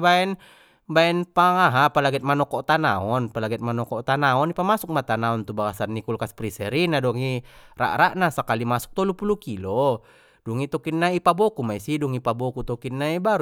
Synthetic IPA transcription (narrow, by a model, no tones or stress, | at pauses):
baɛn | baɛnpaŋaɦapalaɡɛt̪̚manɔkɔt̪ana̰ɔnpalaɡɛt̪̚manɔkɔt̪anaɔnipamasuk̚mat̪anaɔnt̪ubaɡasanːikulkaspɾisɛɾinadɔŋira̰ʔɾaʔnasakalimasu̥k̚t̪ɔlupulukilɔ | dɔŋit̪ɔkinːaipabɔkumaisiduŋipabɔkut̪ɔkinːaibaɾ